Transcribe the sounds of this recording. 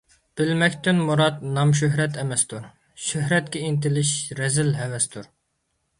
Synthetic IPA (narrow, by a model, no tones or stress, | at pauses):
b̥ɪlmɛkʲt̪ʰɪnmuɾɑt̪nɑmʃ̬øɦɾɛt̪ʰɛmɛst̪ʰuɾ | ʃøɦɾɛt̪̚kʲɛint̪ɪlɪʃɾɛzɪlɦɛvɛst̪ʰuɾ